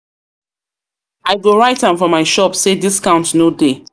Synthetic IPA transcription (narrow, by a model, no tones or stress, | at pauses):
aɪɡoɹaɪtãnfɔmaɪʃɔpsediskãʊ̃ntnode